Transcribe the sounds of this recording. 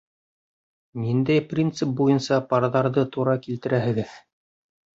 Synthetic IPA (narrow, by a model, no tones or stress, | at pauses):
nind̪æjprʲint̪sɨp̚bujɤnsɑpɑɾðɑɾðɤt̪uɾɑkilt̪ɘ̆ɾæɦɘ̆ɡɘð